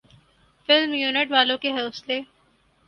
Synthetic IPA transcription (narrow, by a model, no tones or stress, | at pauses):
fɪlmjuːnɪʈʋaːlõkeɦɛlsleː